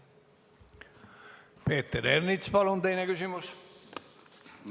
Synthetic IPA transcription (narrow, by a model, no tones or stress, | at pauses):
pe̞ːt̪ːeɾernit̪spɑlunt̪e̞jnekysimus